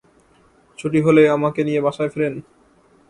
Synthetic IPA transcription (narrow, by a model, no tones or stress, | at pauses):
t͡ɕʰuʈ̬iɦoleamakenijebaʃaefeɾen